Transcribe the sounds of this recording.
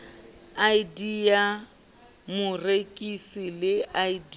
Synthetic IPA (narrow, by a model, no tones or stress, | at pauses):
ajdia | mʊrekʼisilɪaid